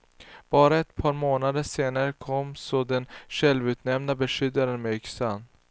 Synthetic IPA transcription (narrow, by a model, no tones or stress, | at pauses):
b̥ɑːɾaɛt̪pʰɑːɾmoːnad̪əʂeːnaɾəkʰɔmːsɔd̪ɛnɕɛlvʉ̟ːt̪nɛmnabɛʂʏd̪ːaɾənmɛʏksan